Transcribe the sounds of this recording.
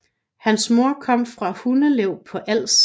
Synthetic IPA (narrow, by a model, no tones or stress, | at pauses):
hænsmo̝ɐ̰kʰɒ̽m̰fʁɑ̈hunəleʊ̰pʰɒ̽ʔæl̰s